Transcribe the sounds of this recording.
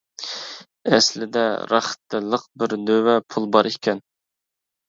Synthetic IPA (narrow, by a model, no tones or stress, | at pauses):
ɛslɪd̪ɛɾɑ̰χt̪ːɪlˠːəqbɪɾd̪øwɛpʰulˠbɑɾikʲʰɛn